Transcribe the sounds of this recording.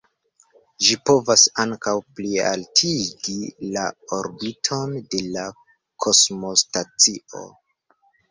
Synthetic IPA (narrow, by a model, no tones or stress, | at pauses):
ʒipo̞vasaŋkawplia̰ltʰiɡilao̞ɾbitʰo̞nde̞la | kʰo̞smo̞stat͡sio̞̰